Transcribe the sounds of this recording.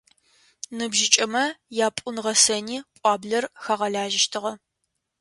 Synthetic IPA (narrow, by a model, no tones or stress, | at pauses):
nɨbʒɪt͡ʃʼɐmɐjaːpʼʊnʁɐsɐniːpʷʼɑːbɮɐrxɐʁɐɮaːʒɪʃtʰɨʁɐ